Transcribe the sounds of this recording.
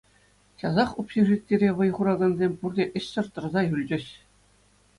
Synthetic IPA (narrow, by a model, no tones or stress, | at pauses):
ɕɑzɑχupɕeʐit̪ʲːeɾʲeʋɤ̆jʁuɾɑɡɤ̆nzʲemʲpurd̪ʲeʔɘ̆ɕɕɤ̆rt̪ɤ̆rzɑjylʲd͡ʑɘ̆ɕ